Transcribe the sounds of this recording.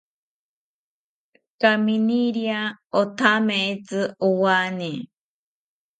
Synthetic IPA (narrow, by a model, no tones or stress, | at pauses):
kaminiɾiaot̪ʰameet͡sɨʔowani